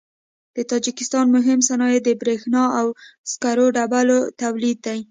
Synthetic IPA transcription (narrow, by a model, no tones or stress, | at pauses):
d̪̥ət̪ɑd͡ʒikɪst̪ɑnmʊɦɪmsanɑjed̪əbɾexnɑawskaɾoɖabalot̪awlid̪̚ːaj